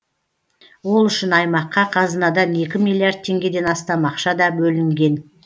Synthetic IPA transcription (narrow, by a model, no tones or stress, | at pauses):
wo̞lˠʏʃɪnɑjmɑqːɑqʰɑzənɑd̪ɑne̞kʲɪmilˠiard̪̚t̪ʰe̞ŋɡʲe̞d̪e̞nɑst̪ɑmɑqʃɑd̪ɑbɵlɪŋɡʲe̞n